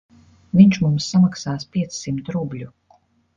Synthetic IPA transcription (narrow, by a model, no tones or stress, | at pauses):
viɲt͡ʃmumsːamaksaːspʲiɛt̪ssimt̪ɾublʲu